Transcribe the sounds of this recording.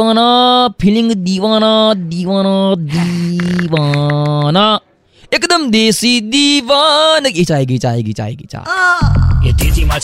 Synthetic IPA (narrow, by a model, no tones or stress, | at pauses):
aːnapʰiliŋɡd̪iːʋaːnad̪iːʋaːnad̪iʋaːna | ekd̪ɐmd̪eːsid̪iʋanket͡ʃaːɦeɡit͡ʃaːɦeɡit͡ʃa̰ːḛɡḭt͡ʃa̰ː | et̪esima